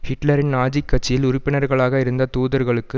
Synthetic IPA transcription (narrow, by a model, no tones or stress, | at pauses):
hɪʈlɐɾɪnnaːd͡ʒikːɐʈ̚t͡ʃːɪjɪlʊɾɪpːɪnɐɾɣɐɭaːɣɐɪɾɯnd̪ɐt̪uːðɐɾɣɐɭɯkːɯ